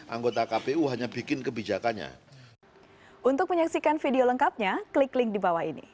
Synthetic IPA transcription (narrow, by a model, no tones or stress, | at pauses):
ʔaŋɡot̪akapeuɦaɲabikɪnkəbid͡ʒakanɲa̰ | ʔunt̪ʊk̚məɲaksikanfideoləŋkap̚ɲaklɪklɪŋdibawahinḭ